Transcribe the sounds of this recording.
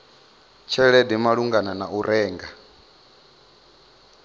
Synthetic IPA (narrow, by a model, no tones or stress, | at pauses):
t͡ʃʰɛɺɛdimaɺuŋɡananaʔuɾʔɛːŋɡa